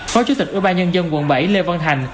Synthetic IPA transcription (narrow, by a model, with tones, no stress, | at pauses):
fɔ˨˦t͡ɕu˨˦t̪ï˨˩k̚ʔḭ˧˩ɓaː˧nɲə˧nzə˧nwə̰˧˩nɓə˧˩jle˧va˧nt̪ʰa˨˩jŋ̟